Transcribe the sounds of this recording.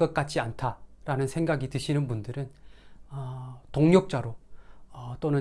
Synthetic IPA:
k͈ʌt̚k͈at͡ɕ͈ʰiantʰaɾanɯnsʰe̞ŋɡaɡitɯɕʰinɯnbundɯɾɯnʌtoŋɲok̚t͡ɕ͈aɾoʌt͈onɯ

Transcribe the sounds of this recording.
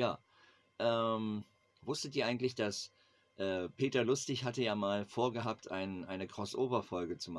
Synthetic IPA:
jaː | ʔɛːm | vʊstətiːɐʔaɪŋ̩tlɪçd̥as | ʔɛːpʰeːtɐlʊstɪçhatəjaːmaːlfoːɐɡəɦaːp̚tʔa̰ɪnʔaɪnəkʁ̥ɔsʔoːbɐfɔlɡət͡suma

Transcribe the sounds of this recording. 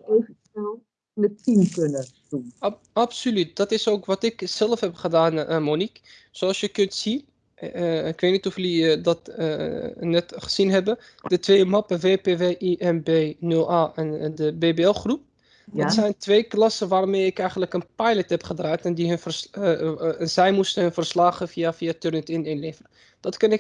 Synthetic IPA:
ejvəsnɛlˠ | nətinkɵnətun | ɑpsolyt̚dɑtɪsowkʋɑtɪkz̥ɛləfɦɛpχədaːnəmonik | soɑlˠsjəkɵntsi | ɪkʋetnitɔflidɑtː | nɛtχə̥z̥inɦɛbə | d̥ətʋejmɑpəvepeveːʔiʔɛnbeːnɵlˠaːʔɛndəbeːbeɛlˠχrup̚ | dɑtsɛjntʋejklɑsəʋaːrmejɪkɛjχənləkənpɑjlətɦɛpχədraːtɛndiɦɵnvəs | zɛjmustənɦɵnvərslaːχəviafiatørnətɪnɪnlevərə | d̥ɑtkɑnɪk

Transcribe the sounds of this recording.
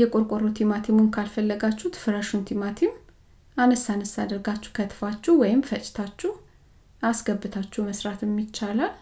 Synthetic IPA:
jɛkʼoɾkʼoɾot̪ʰimat̪ʰimunkʰalfəlːəɡat͡ʃːut̪fɨɾəʃunt̪ʰimat̪ʰim | anəsːanəsad̪əɾɡat͡ʃːɛ̥kʰət̪ʰfat͡ʃːɛwɔjɪmfət͡ʃʼːɪ̥t̪ʰat͡ʃːɛh | asɡəbːɨt̪ʰat͡ʃːɛməsɾat̪ʰɛmːit͡ʃːalal

